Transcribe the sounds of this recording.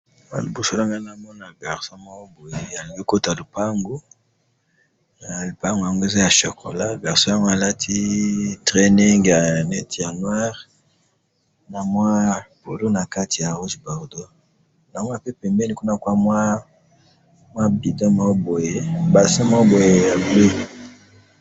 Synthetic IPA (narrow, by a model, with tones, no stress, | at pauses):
mwa̰˦lu˨bu˦so˦la˦ŋɡa˦na˨mɔ˦na˨bɛ˨ʁso˦ma˦o˦bo˨je˨a˨li˨ɡe˦ko˦ta˨lu˨pa˦ŋɡo˦ | na˨lu˨pa˦ŋɡŋɡo˦e˦za˦ja˨ʃo˨kʰo̰˨la˦bɛ˨ʁso˦a˦ŋɡo˦a˨la˦tʰi˦tʁɛ˦ni˦ŋɡja˨nɛ˦ti˨ja˨nwa˦ʁ | na˨mwa˦b̥o˨lo˦na˨ka˦tʰi˨ja˨ʁu˦ʒbɔ˨ʁdo˦ | na˨mo˦a˦pe˦pɛ˨mbɛ˦ni˨ku˦na˨kwa˦mwa˦ | mwa˦bi˨dɔ˦ma˦o˦bo˨je˦ba˨sa˦ma˦bo˨je˨ja˨ble˦˨